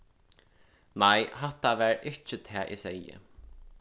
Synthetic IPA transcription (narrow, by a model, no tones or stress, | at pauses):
najɦaht̪ːaʋæːɹɪt͡ʃɪt̪ʰæːʔɪ̰sɛjɪ̰